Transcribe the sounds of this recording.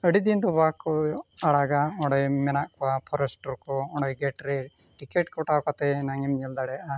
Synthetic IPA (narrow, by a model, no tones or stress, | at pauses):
əɽid̪ind̪ɔbakːɔaɽaɡaɔ̃ɖɔjmɛnaʔkɔwapʰɔɾɛsʈɔɾkɔɔ̃ɳɖɔjɡɛʈɾɛ | ʈikeʈkɔʈakat̪ɛnaŋimɲɛld̪aɽɛjaʔa